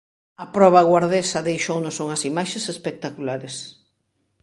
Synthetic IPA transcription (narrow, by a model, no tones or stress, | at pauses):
ɐpɾɔβaɣwaɾðesɐðejʃownosoŋɐsimaʃesespek̚t̪akulaɾes